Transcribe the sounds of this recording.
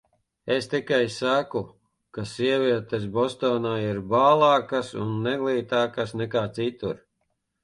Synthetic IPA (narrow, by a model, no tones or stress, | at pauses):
est̪ikajsaku | kasiɛvʲiɛt̪ɛsbɔst̪ɔːnaːiɾbaːlˠɑːkasṵnːɛɡlˠiːt̪aːkasnɛkaːt̪sit̪uɾ